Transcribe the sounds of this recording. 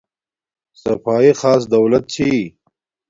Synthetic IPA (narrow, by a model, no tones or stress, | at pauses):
sɐfɑːixɑːs̬d̪ɐwlɐt̪̚t͡ɕʰi